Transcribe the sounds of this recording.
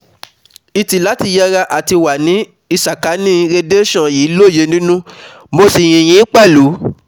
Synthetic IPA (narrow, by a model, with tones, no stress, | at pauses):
i˧ti˨la˨˦ti˧jɛ˧ɾa˧ʔa˨ti˧wa˨nĩ˨˦ | i˧sa˨ka˨˦nĩ˦ɾe˧de˦ʃɔ̃˦˨jiː˨˦lo˦˨je˧˦nĩ˦nũ˦ | mo˧si˨j̃ĩ˨j̃ĩ˨˦k͡pɛ˦˨lu˨˦